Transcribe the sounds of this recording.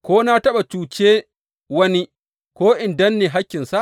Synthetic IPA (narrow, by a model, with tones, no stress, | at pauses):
kʷoː˦na˦tɐ˦ɓa˨t͡ʃuː˨t͡ʃeː˦ | wɐ˦ni˦ | kʷoː˦ʔɪ˨ndɐ˦nːeː˨ɦa˦kʲːɪ˨nsa˦ʔ